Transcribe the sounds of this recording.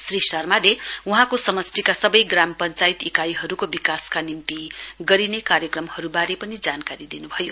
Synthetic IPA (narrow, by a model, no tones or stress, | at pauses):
srisʌrmaleuɦãkosʌmʌst̪ʰikasʌbʌjɡrampʌnt͡sait̪ikajɦʌɾukobikaskanimt̪iɡʌɾinekaɾjʌkrʌmhʌɾubaɾepʌnid͡zankaɾid̪inubʱʌjo